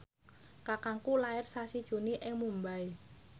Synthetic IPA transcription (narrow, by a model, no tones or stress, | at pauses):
kakaŋkulaɪrsasid̥ʒ̥ṳniʔɪŋmumbai